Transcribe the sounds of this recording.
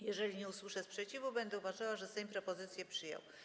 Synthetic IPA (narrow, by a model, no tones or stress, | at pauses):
jɛʐɛlʲiɲɛuswɘʂɛspʂɛt͡ɕivubɛnd̪ɛuvaʐawaʐɛst̪ɛjmpɾɔpɔzɘt̪sʲjɛpʂɘjɔ̰w